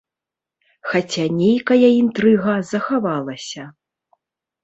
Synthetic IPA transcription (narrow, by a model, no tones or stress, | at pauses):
xat͡sʲanʲejkɐjɐint̪ɾɨɣɐzɐxavalˠɐsʲɐ